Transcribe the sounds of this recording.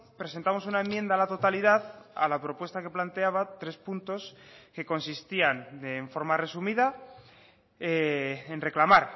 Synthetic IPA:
pɾese̞nt̪amo̞sunae̞mːjend̪alat̪o̞t̪aliðaða̰lapɾo̞pwe̞st̪ake̞plant̪e̞aβat̪ɾe̞spunt̪o̞ske̞ko̞nsist̪iand̪eɱfo̞ɾmare̞sumiða | eenre̞klamaɾ

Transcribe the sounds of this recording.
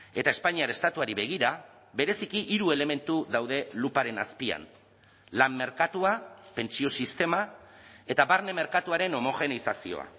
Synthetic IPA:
e̞t̪ae̞spaɲiaɾest̪at̪uaɾiβe̞ɣ̞iɾa | βe̞ɾe̞sikiʔiɾue̞le̞me̞nt̪uðawðe̞lupaɾe̞na̰spia̰n | lamːe̞ɾkat̪uape̞nt͡sio̞sist̪e̞mae̞t̪aβaɾne̞me̞ɾkat̪uaɾe̞no̞mo̞ɣe̞nisasio̞̰a̰

